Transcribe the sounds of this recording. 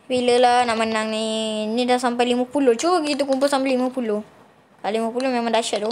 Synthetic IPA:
biləlanaʔmənaŋninidasampajliməpuloht͡ʃukit̪̬ukumpʊlsampajlimə̃puloh | kalimə̃pulomemãŋdaʃatdo

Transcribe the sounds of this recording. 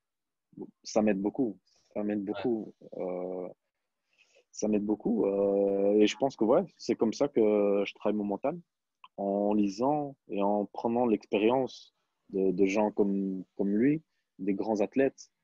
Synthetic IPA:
samɛd̪̚boku | amɛd̪̚bokuø | samɛd̪̚bokuøeʒəpɑ̃skəvwɛsɛkɔmsakəʒət̪χavajmɔmɑ̃t̪an | ɑ̃lizɑ̃eɑ̃pχənɑ̃lɛkspeʁjɑ̃s | d̪əd̪əʒɑ̃kɔmkɔmlɥi | d̪eɡʁɑ̃zat̪lɛt̪

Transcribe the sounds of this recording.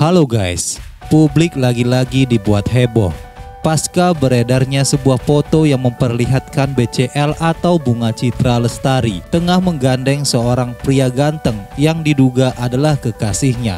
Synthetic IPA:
haloɡajspublɪk̚laɡilaɡidibuat̪̚ɦebɔ̰hpaskabəɾedarɲasəbuahfot̪ojaŋməmpərliɦat̪̚kanbet͡ʃeʔɛlat̪awbuŋat͡ʃit̪ɾaləst̪aɾit̪əŋahməŋɡandɛŋsəoɾaŋpɾiaɡant̪əŋjaŋdiduɡaʔadalahkəkasɪhɲa̰

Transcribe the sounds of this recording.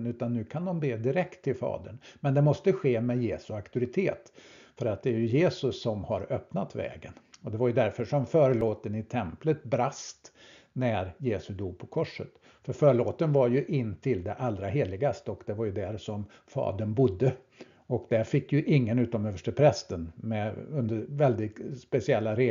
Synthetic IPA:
nʉ̟ːt̪anːʉ̟ːkʰand̪ɔmbeːd̪ɪɾɛkt̪ʰːɪlfɑ̰ːd̪əɳmɛnd̪ɛmɔst̪əɧeːmɛjeːsɵakt̪ʊɾɪt̪ʰeːt̪fœɾat̪̚d̪ɛæɾjɵjeːsɵsːɔmhaɾœpnat̪vɛ̰ːɡənɔd̪ɛvaɾjɵd̪æɾfœʂɔmfœːɾəloːt̪ənɪt̪ʰɛmplət̪bɾast̪ | næɾjeːsɵd̪uːɡ̚pʰɔkʰɔʂːə̰t̪ | fœɾfœːɾɭoːt̪ənvaɾjɵʔɪnːt̪ʰɪld̪ɛʔalːɾaɦeːɭɪɡast̪əɔkd̪ɛvaɾjɵd̪æɾsɔm | fɑ̰ːd̪ənbʊd̪ːə | ɔkd̪æɾfɪkːjɵʔɪŋːənʉ̟ːt̪ɔmøːvəʂʈəpʰɾɛst̪ənmɛɵnd̪əɾvɛld̪ɪt̪spɛsɪɛlːaɾe

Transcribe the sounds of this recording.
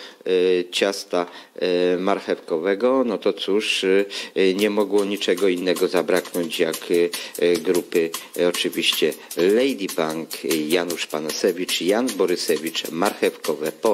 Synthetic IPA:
t͡ɕast̪a | maɾxɛfkɔvɛɡɔnɔt̪ɔt̪suʂ | ɲɛmɔɡwɔɲit͡ʂɛɡɔinːɛɡɔzabɾaknɔɲt͡ɕjak | ɡɾupɘɔt͡ʂɘvʲiɕt͡ɕɛlɛjd̪ʲibaŋkjanuʂpanasɛvʲit͡ʂjanbɔɾɘsɛvʲit͡ʂmaɾxɛfkɔvɛpɔ

